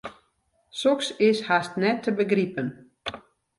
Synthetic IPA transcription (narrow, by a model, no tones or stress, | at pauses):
soksɪshastnɛtʰːəbəɡripən